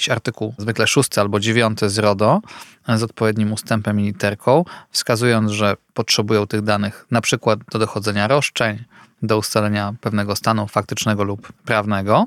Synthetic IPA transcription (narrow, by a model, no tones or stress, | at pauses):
ɕaɾt̪ɘkuwzvɘklɛʂust̪ɘalbɔd͡ʑevʲjɔnt̪ɘzɾɔd̪ɔ | zɔt̪̚pɔvʲjed̪ɲimust̪ɛmpɛmːʲilʲit̪ɛɾkʰɔ̃w̃fskazujɔnʐɛpɔtʂɛbujɔ̃w̃t̪ɘɣd̪anɘxnapʂɘkwad̪̚d̪ɔd̪ɔxɔd̪zɛɲaɾɔʂt͡ʂɛɲ | d̪ɔust̪alɛɲapɛvn̪ɛɡɔst̪anufak̚t̪ɘt͡ʂnɛɡɔlupːɾavnɛɡɔ